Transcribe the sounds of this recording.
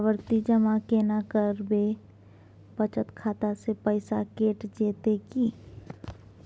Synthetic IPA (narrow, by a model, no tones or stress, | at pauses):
ʋəɾt̪id͡ʒəmakeːnakəɾbe | pət͡ʃət̪kʰaːt̪asepəɪsakeːʈd͡ʒeːt̪eki